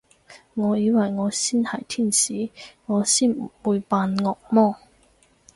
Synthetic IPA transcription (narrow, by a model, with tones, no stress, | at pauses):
ŋɔː˨˧jiː˨˧˥wɐ˨jŋɔː˨˧siː˥˩nhɐ˨˩jt̪ʰiː˥˩nsiː˨˥ŋɔː˨˧siː˥˩n˨˩puː˨˧jpaː˧nŋɔː˨k̚mɔː˥˨